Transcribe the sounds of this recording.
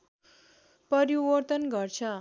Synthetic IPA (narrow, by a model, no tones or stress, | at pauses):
pʌɾiwʌrt̪ʌnɡʌrt͡sʰʌ